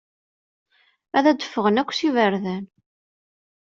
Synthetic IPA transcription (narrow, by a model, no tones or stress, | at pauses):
æðæd̪ə̥fːəʁənækʷːsivəɾðæn